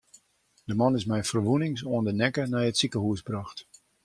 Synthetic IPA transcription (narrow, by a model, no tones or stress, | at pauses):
d̥əmɑnɪsmɛjfərʋunɪŋsoəndənɛkənɛjətsikəɦuəsbrɑxt